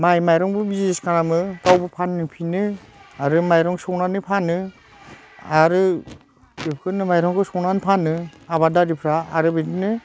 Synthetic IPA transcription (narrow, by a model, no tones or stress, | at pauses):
majmajɾɔŋbɯbizeskanamɯkawbɯpʰannɯpʰinɯ | aɾɯmajɾɔŋsɔwnanɯpʰanɯ | aɾɯ | dipʰkʰɯnɯmajɾɔŋkʰɯsɔwnanpʰanɯaβadaɾipʰɾaːɾɯbidnɯ